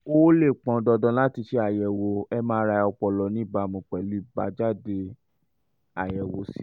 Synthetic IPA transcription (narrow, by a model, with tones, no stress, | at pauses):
o˦le˦˨k͡pɔ̃˨dɔ˧dɔ̃˧˦la˦ti˧ʃe˧a˦˨jɛ˨wo˧ɛ˧mãː˦ɾa˧ɔ˧k͡pɔ˧lɔ˧nĩ˦˨ba˧mũ˨˧k͡pɛ˨lu˨˦i˦˨ba̰˧˦d͡ʒa˦˨de˧ | a˨jɛ˨wo˧si˦